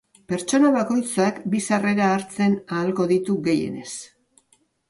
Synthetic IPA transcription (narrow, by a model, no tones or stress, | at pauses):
pe̞ɾt͡ʃo̞naβako̞jt͡sakbisare̞ɾaːɾt͡se̞naːlko̞ðit̪uɣe̞je̞̰ne̞̰s